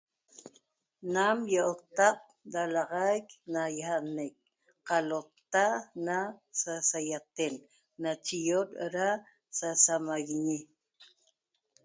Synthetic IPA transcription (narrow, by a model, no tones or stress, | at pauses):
namjoʔot̪aq̚ | d̪alɑʁɑjknajaɦaʔnek̚ | qalot̪ːanasasajat̪enː | at͡ʃijot̪a̰ɾa | sasamaɣiɲi